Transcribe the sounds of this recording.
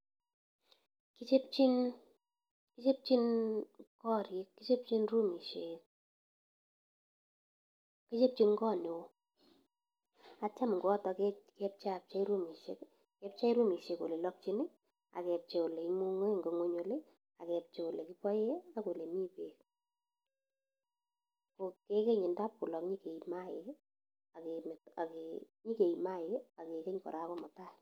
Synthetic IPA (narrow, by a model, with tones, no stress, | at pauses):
ki˦t͡ʃe˦p̚t͡ʃi˦n | ki˦t͡ʃe˦p̚t͡ʃi˦nkɔ˦˨ɾi˨˦kːi˦t͡ʃe˦p̚t͡ʃi˦nru˦mi˨ʃe˨k̚ | ki˦t͡ʃe˦p̚t͡ʃi˦nkɔː˦ne˨wo˦ | a˨t͡ʃa˦m˨ŋɡo˦ɔ˦tɔ˨kɛkɛ˦p̚t͡ʃa˦˨p̚t͡ʃa˦i˦ɾu˦mi˨ʃḛ˦k | kɛ˦p̚t͡ʃa˦i˦ɾu˦mi˨ʃe˨ko˨le˨lɔ˦p̚t͡ʃi˦nɪ˦ | a̰˨kɛ˨p̚t͡ʃe˨o˨le˨i˦mu˦ŋe˦˨ŋɡo˨ŋwo˦ɲo˦le˦ | a˨kɛ˨p̚t͡ʃe˨o˨le˨kɪ˦pɔ˦e˦a˦ko˨le˨mi˦peː˨k | ko˨ke˦ke˦ɲɪ˨nda˦p̚ku˨lɔ˨kɲi˦ke˨ima˦ɪ˨k | a˨kem˨ta˨ke˨ | ɲi˦ke˨i˨ma˦ɪ˦ka˨ke˨ke˦ɲkɔ̰˨ɾa˦kɔ˦mɔ˨ta˦